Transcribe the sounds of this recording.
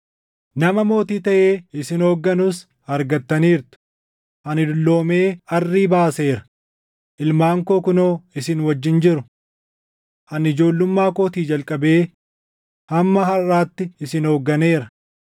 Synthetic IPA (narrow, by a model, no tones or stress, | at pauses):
nɐmɐmo̞ːt̪iːt̪ɐʔe̞ːɪsɪno̞ːɡːɐnʊs | ɐɾɡɐt̪ːɐniːɾt̪ʊ̥ | ʔɐnɪd̪ʊlːo̞ːme̞ːɐrːiːbaːse̞ːɾɐ̥ | ʔɪlmaːŋkoːkʊnoːɪsɪnwɐd͡ʒːɪnd͡ʒɪɾʊ | ʔɐnɪd͡ʒo̞ːlːʊmːaːkoːt̪iːd͡ʒɐlkʼɐbe̞ː | hɐmːɐɦɐrːaːt̪ːɪɪsɪnoːɡːɐne̞ːɾɐ